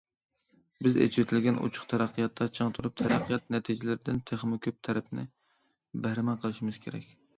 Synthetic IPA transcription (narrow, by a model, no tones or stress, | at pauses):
bɪzḛt͡ʃʰwɪt̪ʰɪlɡʲɛnʔṵt͡ʃʰʊ̥χt̪ʰæɾæqʰːijɑt̪ʰːɑt͡ʃʰəŋt̪ʰuɾup̚t̪ʰæɾæqʰːijɑt̪nɛt̪ʰid͡ʒɪlɪɾɪd̪ɪnt̪ʰeχmɪkʲʰøp̚t̪ʰɛɾɛpnɪ̰ | bæhɾɪmɛqʰəlˠɨʃimɪz̥kʲʰeɾɛ̰kʲ